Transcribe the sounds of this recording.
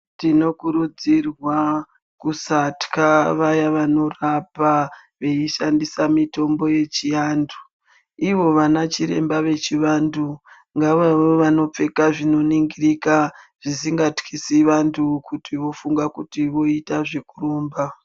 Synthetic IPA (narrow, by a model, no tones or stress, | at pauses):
tino̞kuɾud͡zirwa | kusatkaʋajaʋano̞rapa | ʋe̞iʃandisamito̞mbo̞je̞t͡ʃijandu | iʋo̞ʋanat͡ʃiɾe̞̰mbaʋe̞t͡ʃiʋandu | ŋɡaʋaʋoʋano̞p͡fe̞kaʐino̞niŋɡirikaʐ̥isiŋɡatkʰisiʋantʰukutiʋo̞fuŋɡakutiʋo̞itaʐe̞kuroːmba